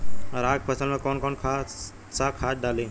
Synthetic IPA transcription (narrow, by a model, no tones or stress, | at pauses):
ɾaːk̚pʰəsəlmẽːkoːnkoːnkʰaː | saːkʰaːd͡ʒ̚ɖaːlẽː